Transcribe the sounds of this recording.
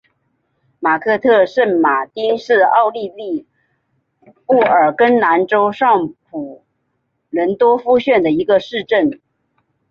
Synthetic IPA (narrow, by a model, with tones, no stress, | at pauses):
ma˨˩kʰɤ˥˧t̪ʰɤ˥˧ʂə˥˩nma˨˩t̪i˥nʂɻ̩˥˧ɑ˥˧ʊli˥˧li˥˧ | pu˥˩ə˞˨˩kə˥nna˧˥nʈ͡ʂo˥ʊʂɑ˥˩ŋpʰu˨˩ | lwə˧˥nt̪wɔ˥fu˥ɕɥɛ˥˩nd̪ə˩i˧˥ɡə˧ʂɻ̩˥˧ʈ͡ʂə˥˩n